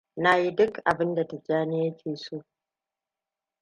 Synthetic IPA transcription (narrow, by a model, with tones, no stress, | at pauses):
na˦ji˦dʊ˦kʔa˨bɪ˦nda˨ta˨d͡ʒaː˦nɪ˦ja˦kʲʰeː˨soː˦˨ʔ